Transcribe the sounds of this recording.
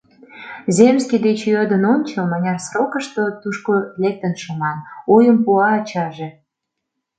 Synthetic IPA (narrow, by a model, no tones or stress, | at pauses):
zʲemskid̪et͡ɕjød̪ənonʲt͡ɕəlmɑnʲɑrsrokə̆ʃt̪ot̪uʃkolek̚t̪ənʃomɑnojəmpuɑːt͡ɕɑʒe